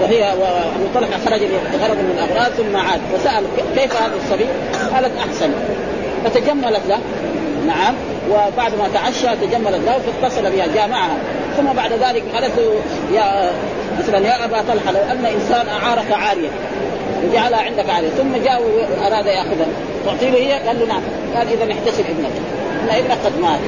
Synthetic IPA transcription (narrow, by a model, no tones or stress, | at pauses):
waɦijːawʔabut̪ˤɑlħɑxɑɾˤɑd͡ʒalit̪ɣɑrˤːɑd̪ˤmɪnalʔɑbɾˤɑːd̪θumːaʕaːd̪fasaʔalkeːfhaːðsˤːɑbiː | ʔalat̪ʔaħsan | fat̪ad͡ʒamːalat̪la | naʕam | wɪbaʕd̪mat̪aʕaʃːat̪ad͡ʒamːalat̪lahufat̪ːɑsˤɑlabiːhad͡ʒaːʔmaʕaha | θumːabaʕd̪ðaːlɪkɣaːlat̪lu | ja | maθalanjaʔabat̪ˤɑlħalawʔanːaʔɪnsaːnʔaʕɑːɾˤɑkʕaːɾɪja | wɪd͡ʒaʕalhaʕɪnd̪akʕaːɾɪjaθumːad͡ʒaːʔwʔɑɾˤɑːd̪ajaʔxʊðha | t̪ʊʕt̪ˤiːlihɪjːaɡalːunaʕam | kaːnʔɪðanɪħt̪asɪlʔɪbnak | ʔʔanːaʔɪbnakqad̪maːt̪